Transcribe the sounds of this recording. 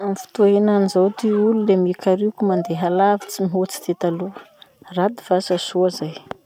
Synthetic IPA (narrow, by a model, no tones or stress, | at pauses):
amifi̥t̪uenanizowt̪iululemikaɾikʲumand̪eɦalavit͡simiɦot͡si̥t̪et̪aluərad̪iv̥asasuazaj